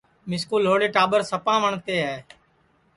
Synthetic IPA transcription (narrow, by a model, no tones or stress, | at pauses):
mɪskuːlɦoːɽeːʈaːɓəɾsəpãːʋəɳt̪eːɦɛː